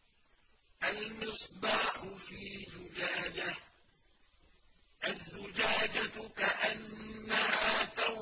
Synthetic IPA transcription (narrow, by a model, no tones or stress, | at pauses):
ʔalmɪsˤbɑːħʊfiːd͡ʒʊd͡ʒaːd͡ʒa | ʔazːʊd͡ʒaːd͡ʒakaʔanːahaːt̪aw